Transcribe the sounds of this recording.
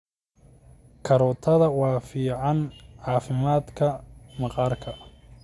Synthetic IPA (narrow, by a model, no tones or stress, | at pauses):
kʰɐɾɔːt̪ʰɐðɐwɑːfiːʕɑnʕɑːfɪmaːd̪kʰɐmɑqɑːrkʰɐ